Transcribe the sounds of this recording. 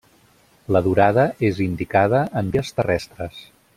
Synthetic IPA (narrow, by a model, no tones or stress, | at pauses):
ləðuɾaðəezind̪ikað̞əʔəmbiəst̪ərɛst̪ɾəs